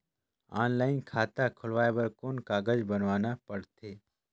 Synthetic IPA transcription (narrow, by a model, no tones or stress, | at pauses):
a̰ːnlaːɪnkʰaːt̪akʰʊlʋaːebəɾkoːnkaːɡəd͡ʒbənʋaːnapəɽt̪ʰeː